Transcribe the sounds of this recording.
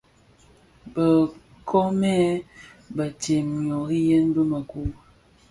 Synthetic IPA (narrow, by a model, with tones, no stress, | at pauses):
bə˨ | kʰɔ˦mɛ˦ | bə˨te˨mɲ˨ɔ˨ɣi˦jə˦n˦bə˦mə˨ku˦